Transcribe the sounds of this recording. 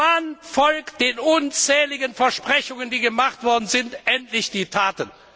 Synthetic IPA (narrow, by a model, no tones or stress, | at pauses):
anfɔlkt̚d̥eːnʔʊnt͡sɛːlɪɡənfɛɐʃpʁ̥ɛçʊŋəndiːɡəmaχtv̥ɔɐdn̩zɪntʔɛntlɪçd̥iːtʰaːtən